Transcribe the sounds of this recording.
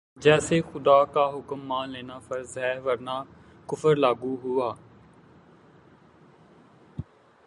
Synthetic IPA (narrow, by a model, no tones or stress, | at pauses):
d͡ʒɛːseːxʊd̪aːkaːɦʊkəmːãːnleːnaːfəɾzɦɛːʋəɾnaː | kʊfəɾlaːɡuːɦʊaː